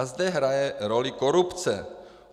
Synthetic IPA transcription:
zd̪ɛɦɾajɛɾolikoɾupt͡sɛ̰

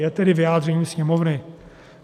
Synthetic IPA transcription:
jɛt̪ɛɾɪvɪjaːd̪rɛɲiːsɲɛmovnɪ

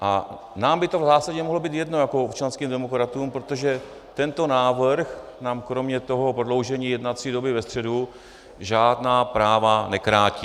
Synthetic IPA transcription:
ʔa | naːmbɪt̪o̞vzaːsaɟɛmoɦlobiːt̪jɛdnojakoopt͡ʃanskiːmdɛmo̞kɾat̪uːmpɾot̪o̞ʒɛ | t̪ɛnt̪o̞naːvrx | naːmkɾo̞mɲɛt̪o̞ɦopɾodlo̞wʒɛɲiːjɛdnat͡siːdobɪvɛst̪r̝̥ɛdu | ʒaːdnaːpɾaːvanɛkɾaːciː

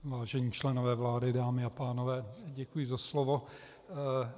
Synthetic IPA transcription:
vaːʒɛɲiːt͡ʃlɛnovɛːvlaːdɪdaːmɪapaːnovɛːɟɛkujɪzaslovo̞

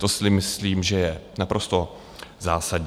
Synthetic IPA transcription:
t̪osɪmɪsliːmʒɛjɛnapɾʔo̞st̪o̞ | zaːsadɲ

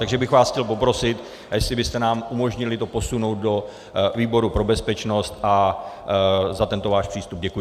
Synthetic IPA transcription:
t̪aɡʒɛbɪxvaːsxcɛlp̬o̞pɾo̞sɪt̪ | jɛslɪbɪst̪ɛnaːmʔumo̞ʒɲɪlɪt̪o̞po̞suno̞wt̪̚do̞ | viːbo̞ɾupɾo̞bɛspɛt͡ʃno̞st̪ʔa | zat̪ɛnt̪o̞vaːʃpr̥iːst̪ub̚ɟɛkuj

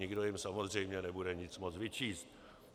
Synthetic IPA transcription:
ɪɡdo̞jɪmsamo̞zr̝ɛjmɲɛnɛbudɛɲɪt͡smot͡svɪt͡ʃiːst̪

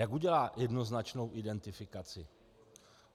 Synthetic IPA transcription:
jakuɟɛlaːjʔɛdno̞znat͡ʃno̞wʔɪdɛnt̪ɪfɪkat͡sɪ̰

